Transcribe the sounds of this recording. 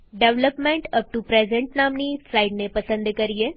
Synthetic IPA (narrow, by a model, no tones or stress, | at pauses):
ɖeʋləpmẽɳʈəp̚ʈupɾezẽɳʈnamniːsɾajɖnepəsə̃nd̪kəɾije